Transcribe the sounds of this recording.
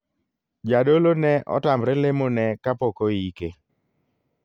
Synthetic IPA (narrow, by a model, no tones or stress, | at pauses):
d͡ʒadolonɛʔɔ̰tambɾɪlɪmonɛkapokoike